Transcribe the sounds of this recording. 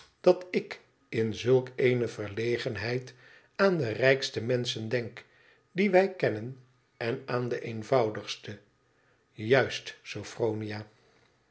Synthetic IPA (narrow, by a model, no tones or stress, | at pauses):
d̥ɑtɪk | ɪnzɵlˠkejnəvəɹlejχənɦɛjt | aːndərɛjkstəmɛnsəndɛŋk | diʋɛjkɛnən | ɛnaːndəʔejnvɑwdəχstə | jœɥstsowfrownijaː